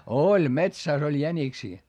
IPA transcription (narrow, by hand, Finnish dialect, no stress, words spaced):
olʲ metsæˑs olʲ jæniksiː